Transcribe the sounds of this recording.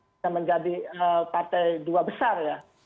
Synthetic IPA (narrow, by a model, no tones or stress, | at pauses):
aməɲd͡ʒadiəpat̪ajduabəsarja